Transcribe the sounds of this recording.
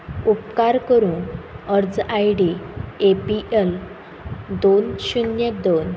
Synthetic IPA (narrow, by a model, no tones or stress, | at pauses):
upkaɾkəɾuːnəɾd͡zajɽiepiʔel | d̪onɕunjəd̪on